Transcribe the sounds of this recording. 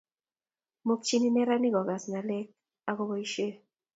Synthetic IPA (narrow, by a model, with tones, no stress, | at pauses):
mo˦kt͡ʃi˦ni˦mɛ˦ɾa˦ni˦ɡɔ˨ɡa˨sna˨le˦k̚ | a˨ko˦bɔ˦i˦ʃe˦